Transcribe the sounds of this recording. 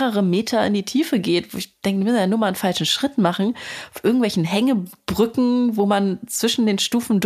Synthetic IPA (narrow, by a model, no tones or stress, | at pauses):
ʁəʁəmeːtʰɐɪ̰ndiːtʰiːfəɡeːtvo̰ːɪçd̥ɛŋkə̥imʏsnjaːnuːɐmaːlənfalʃn̩ʃʁ̥ɪtmaχn̩aʊfʔɪɐɡŋ̩tvɛlçn̩ɦɛŋəb̥ʁʏkŋ̩voːmant͡sv̥ɪʃn̩deːnʃtuːfn̩d